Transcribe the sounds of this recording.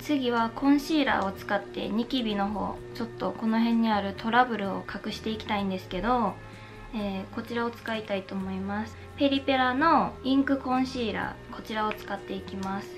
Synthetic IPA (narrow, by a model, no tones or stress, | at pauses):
t͡sɨɡʲiβakõ̞ɰ̃ɕiːɾa̰ːo̞t͡sɨ̥kat̪ːe̞̰ɲ̟ikʲibʲino̞ɦo̞̰ːt͡ɕo̞t̪ːo̞ko̞no̞ɦẽ̞ɲ̟ːiaɾɯ̟t̪o̞ɾabɯ̟ɾɯ̟o̞̰kakɯ̟ɕi̥t̪e̞ikʲi̥t̪aĩnd̪e̞sɨ̥ke̞d̪o̞ | eːko̞t͡ɕiɾao̞t͡sɨ̥kait̪ait̪o̞ːmo̞imasɨ̥ | pe̞ɾʲipe̞ɾano̞ĩŋkɯ̟kõ̞ɰ̃ɕiːɾa̰ːkʰo̞t͡ɕiɾao̞t͡sɨ̥kat̪ːe̞ikʲimasɨ̥